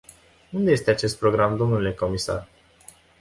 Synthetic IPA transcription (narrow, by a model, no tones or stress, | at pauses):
und̪ee̞st̪eat͡ʃe̞st̪̚pɾo̞ɡɾamd̪o̞mnule̞ko̞misa̰r